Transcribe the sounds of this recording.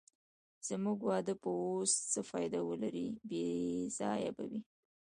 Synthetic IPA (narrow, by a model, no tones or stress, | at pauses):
z̥əmuɡwɑd̪əpəost͡səfɑjd̪awəlaɾibez̥ɑja̰ba̰wi